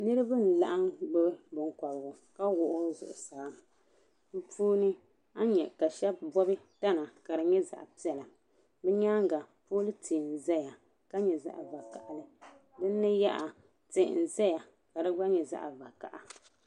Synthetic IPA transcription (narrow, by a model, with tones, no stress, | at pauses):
nɨ˦ɾɨ˦bɨ˦n̩˨la˦ʔa˦ŋɡ͡bɨ˦bɨ˦bɨ˨ŋ˨kɔ˨bɡʊ˨ | ka˦wʊ˨ʔʊ˦zʊ̰˨ʔʊ˨saː˨˦m˨ | m̩˦puː˦nɨ˦ | a˦ɲɛ̰˨ka˨ʃɛ˦b̚bɔ˦bɨ˦ | ta˦na˨ka˨ɾɨ˨ɲɛ˦za̰˨ʔpi˦ɛ˨la˨ | bɛ˦ɲaː˦ŋ˦ɡa˨poː˦lɨ˦tʰiː˨n̩˨zɛ˦ja˨ | ka˦ɲɛ˨za̰˦ʔa˨va˨ka˨ʔa˨lɨ˦ | bɨ˦nː˦ɨ˦ja˦ʔa˨ | tḛ˨n̩˨zɛ˦ja˨ | ka˨dɨ˦ɡ͡ba˦ɲɛ˨za̰˦ʔa˨va˨ka̰˨ʔa˨